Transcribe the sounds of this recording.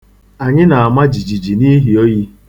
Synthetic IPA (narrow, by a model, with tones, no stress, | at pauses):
a˨ɲɪ˦na˨a˨ma˦d͡ʒi˨d͡ʒi˨d͡ʒi˨ni˦ɦi˨o˦ji˦